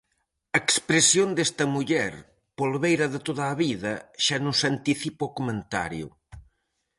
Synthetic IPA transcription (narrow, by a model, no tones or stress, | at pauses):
ɐekspɾesjond̪est̪ɐmuʎɛɾ | polβejɾɐðət̪oðaːβiðɐʃanõsɐnt̪iθipokumẽnt̪a̰ɾjṵ